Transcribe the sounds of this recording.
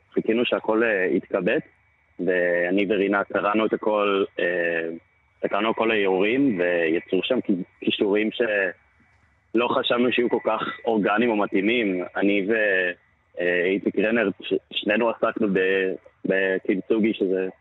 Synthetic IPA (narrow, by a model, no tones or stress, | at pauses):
χikinuʃeako̞leḭt̪kabet | veaniveʁinakʰaʁanuet̪ako̞le | sakalnuako̞lajeuʁimvejat͡suʃamkkiʃuʁimʃe̞ | lo̞χaʃavnuʃajuko̞lkaχo̞ʁɡanimo̞mat̪imimanive | itikʁeneʁʃeʃne̞nuasaknubebekimt͡suɡiʃeze